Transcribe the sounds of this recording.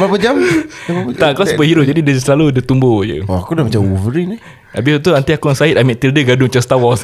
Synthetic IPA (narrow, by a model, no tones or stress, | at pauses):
bapad͡ʒam | t̪aʔkalasəbəʔɦiɾʊʔ̚d͡ʒadidəsəlaludət̪umbod͡ʒə̰ɔakudamat͡ʃauvəɾina | abɪst̪uant̪iakusait̪̚amiʔt̪ildəɡadʊŋmat͡ʃast̪awɔs